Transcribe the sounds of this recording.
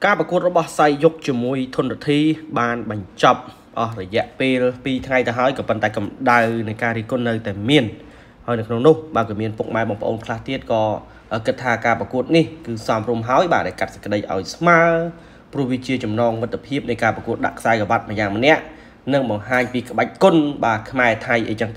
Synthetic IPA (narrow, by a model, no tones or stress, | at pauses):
kaːprɑkuət̪̚rɔɓɑhsajːuk̚t͡ɕiəmuəjt̪ʰʊnrat̪ʰiːɓaːnɓɑɲt͡ɕɑp̚ | ʔɑhrɔjɛ̆əʔpeːlpiːt̪ʰŋajt̪əɦaəjkɑːpənt̪aɛkɑmɗawnɨjkaːɾiːhkʊ̆ənːɨwt̪aɛmiən | haəjnɨwkʰnoŋnʊhɓaəkɑmiənpuk̚maɛɓɑŋpəʔo̰ːnkʰlaht̪iət̪̚kɑː | ʔəːkɨt̪ʰːaːkaːprɑkuət̪̚nihkɨːsɑmrumɦaəjɓaːɗaɛlkat̪̚sə̥kəɗəjʔa̰ɔjsmaəl | prŭəhʋiət͡ɕiət͡ɕɑmnɑːŋmɨt̪ʰːpʰiəp̚nɨjkaːprɑkuət̪̚ɗa̰ʔkʰsaɛkɔʋat̪̚məjaːŋmənɛ̆əʔ | nɨŋɓɑŋɦaːɲpiːkə̆ɓac̚kʊnɓaːkʰmaɛt̪ʰajʔḛjt͡ɕəŋt̪